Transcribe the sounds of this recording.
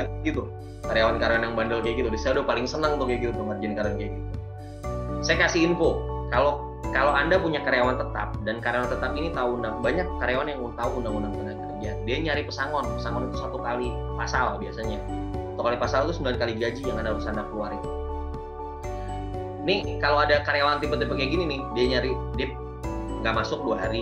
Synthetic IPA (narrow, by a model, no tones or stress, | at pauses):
ɡit̪u | kaɾejawankaɾewanjaŋbandəlkaɡit̪udasajaudahpalɪŋsənəŋunt̪ʊk̚jaɡit̪upəŋərd͡ʒankaɾeɔnkajaɡit̪u | sajakasiinkokalo | kaloandapuɲakaɾejawant̪ət̪a̰p̚dankaɾjawant̪ət̪apinit̪aundaŋbaɲakːaɾeawanjaŋut̪auundaŋundaŋt̪ənaɡadiadiaɲaɾipəsaŋɔnpəsaŋɔnit̪usat̪ukali | pasalbiasaɲasat̪ukalipasalt̪usəmbilankaliɡad͡ʒijaŋandausandakəluaɾɪn | nɪhkaloadakaɾejawant̪ipət̪ipəkaɡininɪhdiaɲaɾidɪp̚ | ŋɡaʔmasʊk̚duaɦaɾi